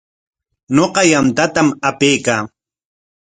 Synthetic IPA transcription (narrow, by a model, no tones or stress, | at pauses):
noqɑjamt̪at̪amapejkaː